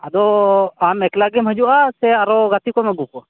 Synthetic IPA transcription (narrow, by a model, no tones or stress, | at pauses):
ad̪ɔamɛklaɡɛmɦəd͡ʒuʔasɛaɾɔɡat̪ikɔmɛɡupɔ